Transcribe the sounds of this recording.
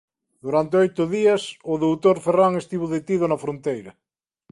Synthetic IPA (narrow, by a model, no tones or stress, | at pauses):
d̪uɾant̪eojt̪ʊðiasʊðowt̪oɾferaŋest̪iβoðet̪iðonɐfɾont̪ejɾɐ